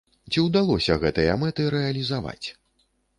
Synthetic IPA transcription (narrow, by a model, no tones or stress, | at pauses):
t͡sʲiwd̪alˠɔsʲɐɣɛt̪ɨjɐmɛt̪ɨɾɛɐlʲizava̰t͡sʲ